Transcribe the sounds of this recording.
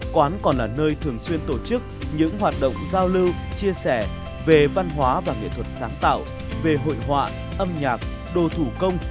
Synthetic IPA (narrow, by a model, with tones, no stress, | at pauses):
kwaː˨˦nkɔ˨˩nlaː˨˩nəː˧jt̪ʰɨ˨˩əŋswi˧ənt̪o˧˩t͡ɕɨ˦˥k̚ɲɨ̰˧˥ŋɦwaː˨˩t̚ɗə̰˧˨wŋ͡mzaː˧wlɨ˧wt͡ɕi˧əsɛ˧˩ | ve˨˩va˧nɦwaː˨˦vaː˨˩ŋḭ˧˨t̪ʰwə˨˩t̚saː˨˦ŋt̪a̰ː˧˨w | ve˨˩ɦo̰˧˨jɦwa̰ː˧˨ | ʔə˧mɲaː˨˩k̚ | ɗo˧˩t̪ʰu˧˩kə˧wŋ͡m